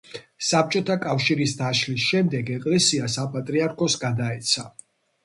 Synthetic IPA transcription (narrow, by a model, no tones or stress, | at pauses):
sap̚t͡ʃʼɔt̪ʰakʼafʃiɾisd̪aʃlisʃɛmd̪ɛɡɛkʼlɛsiasapʼat̪ʼɾiaɾkʰɔsɡad̪aɛt̪sʰa